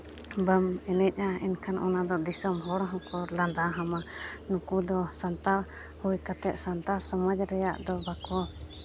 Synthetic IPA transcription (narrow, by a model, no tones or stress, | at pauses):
bəmɛnɛc̚ˀainkʰanʔɔ̰nad̪ɔd̪isɔmɦɔɽɔɦɔ̃kɔland̪aɦamanũkud̪ɔsant̪aɾ | hujkat̪ɛʔ̪̚sant̪aɾsɔmad͡ʒɾɛjaʔd̪ɔbakɔ